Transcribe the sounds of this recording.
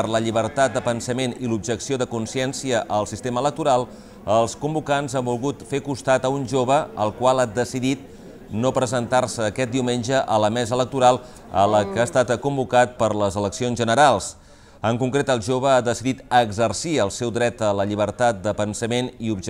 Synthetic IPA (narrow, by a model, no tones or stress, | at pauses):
əɾləʎiβərt̪at̪̚d̪əpənsəmenilub̚ʒəksioðəkunsiɛnsiəʔəlˠsist̪emələk̚t̪uɾalˠ | əlˠskumbukanzambulˠɣut̪fekust̪at̪əunʒoβ̞əəlˠkwalˠad̪əsiðit̪̚ | nopɾəzənt̪arsəːkɛt̪̚d̪iwmenʲʒəʔələmɛzələk̚t̪uɾalˠ | ə̰ləkaːst̪at̪əkumbukat̪̚pəɾləzələksionzʒənəɾalˠs | əŋkuŋkɾet̪əlˠʒoβ̞əaðəsiðit̪əɡzərsiəlˠsɛwd̪ɾɛt̪ələʎiβ̞əɾt̪at̪̚d̪əpənsəmeniubʒ